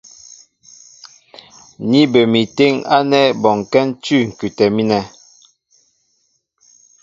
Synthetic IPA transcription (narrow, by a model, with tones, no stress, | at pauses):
ni˦bə˨mi˨te˦ŋa˦nɛ˦bɔ˨ŋkɛ˦n̩˦tʉ˦˨ŋ̩˨kʉ˨tɛ˨mi˦nɛ˨